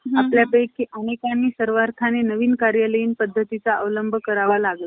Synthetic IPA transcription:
apljapekiʔənekanːiːsəɾʋaɾt̪ʰanenəʋiːnkaɾjaləiːnpəd̪ʱːət̪it͡saʔəʋləmbʱəkəɾaʋalaɡla

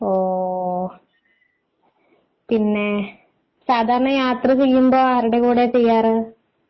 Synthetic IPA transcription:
oː | t̪ɪnːe | saːd̪ʱaːɾɐɳɐ̃jaːt̪ɾɯsɛjːɯmboːaːɾɪɽɐkuːɽeːsɛjːaːɾɯ

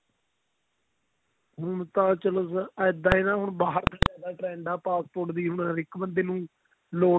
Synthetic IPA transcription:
ɦʊɳt̪ãːt͡ʃəlosəd̪ãːiːnãːɦʊɳbaːɦəɾt̪ʰãːd͡ʒaːd̪aːʈɾɛ̃ːɳɖaːpaːspoːɾʈd̪iːɦʊɳɾɪkbənd̪eːnũː | loː

